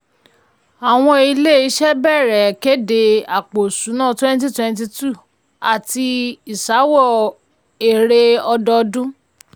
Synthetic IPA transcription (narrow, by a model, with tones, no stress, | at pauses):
a˨w̃ɔ̃˧i˧le˦i˧˦ʃɛ˦bɛ˦˨ɾɛ˨ke˦de˧a˨k͡po˨su˨˦nãː˦˨twɛ̃˦n˦t̬i˦twɛ̃˧n˦t̬i˧tu˦˨ | a˨ti˧i˨sa˨˦wɔ˦˨ | e˨ɾe˧ɔ˧dɔ˧dũ˦